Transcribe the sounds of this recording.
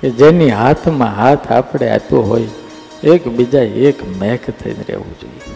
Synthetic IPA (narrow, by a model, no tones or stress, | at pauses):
ked͡ʒeniɦat̪ʰmãɦat̪ʰapɽea̰pjoɦoj | ekbid͡ʒaiekmɛkʰt̪ʰə̰ḭnɾɛ̰ʋṵ̃d͡ʒoie